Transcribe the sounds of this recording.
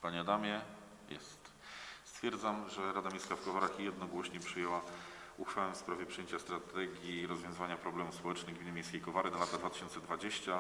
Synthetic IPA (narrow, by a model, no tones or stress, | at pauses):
paɲɛad̪amʲjɛ | jɛ̰st̪ | st̪fʲjɛɾd̪zamʐɛɾad̪amʲejskafkɔvaɾaxjɛd̪nɔɡwɔɕɲɛpʂɘjɛwa | uxfawɛfspɾavʲjɛpʂɨjeɲt͡ɕast̪ɾat̪ɛɡʲjiɾɔzvʲjɔ̃zɨvaɲapɾɔblɛmufspɔwɛt͡ʂnɘɣɡmʲinɘmʲejskʲejkɔvaɾɘnalat̪ad̪vat̪ɘ̥ɕɔnt̪sɛd̪vad͡ʑeɕt͡ɕa